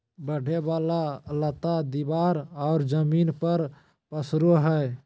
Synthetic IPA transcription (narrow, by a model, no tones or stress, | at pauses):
bəɖʱebaːlalət̪ad̪ibaːɾɔːɾd͡ʒəmiːnpəɾ | pəsɾoɦɛ